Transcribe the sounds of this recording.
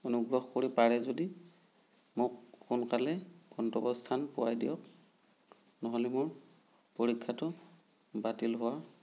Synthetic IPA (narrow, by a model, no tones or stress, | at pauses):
onuɡɹɔxkoɹipaɹɛzodi | mʊkːunkalɛɡ̥ʱɔntɔbɔstʰanpʊwajdijɔk | nɔɦɔlɛmʊɹ | poɹikʰːatʊ | batilɦʊwa